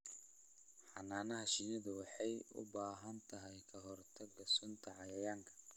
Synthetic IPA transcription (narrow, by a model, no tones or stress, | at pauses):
ħɑnaːnɐɦɐʃinɐðɐwɑħɑjʊ̰baːɦɐnt̪ʰɐɦɛjkʰɐɦɔrt̪ʰɐɡɐsʊnt̪ʰɐʕɑjɐjaːŋkʰɐ̥